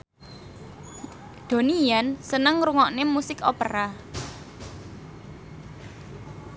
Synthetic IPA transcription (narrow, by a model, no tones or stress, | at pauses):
d̪̥o̤nijansənəŋɾuŋɔʔnemusɪkopəɾa